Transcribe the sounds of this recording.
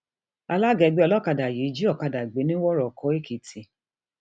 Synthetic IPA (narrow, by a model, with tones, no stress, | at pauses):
a˧la˦˨ɡɛ˧ɡ͡be˦ɔ˧lɔ˦˨ka˧da˨ji˨˦d͡ʒi˦ɔ˦˨ka˧da˨ɡ͡be˨˦nĩ˦wɔ˦ɾɔ˨kɔ˨˦e˦˨kʰi˨tʰi˨